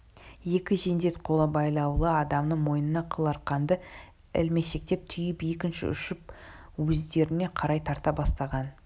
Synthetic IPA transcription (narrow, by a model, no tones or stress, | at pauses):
je̞kʲɪʒe̞nd̪e̞t̪qʰo̞lˠəbɑjlˠɑwlˠəɑd̪ɑmnəɴmo̞jnənɑqʰəlˠɑɾqɑnd̪ə | ɪ̰lme̞ʃe̞k̚t̪e̞p̚t̪ʰʏjɪpe̞k̬ʲɪnʃɪ̰ʏ̰ʃɪp̚ | wɵzd̪e̞ɾɪne̞qʰɑɾɑjt̪ʰɑɾt̪ɑbɑst̪ɑʁɑn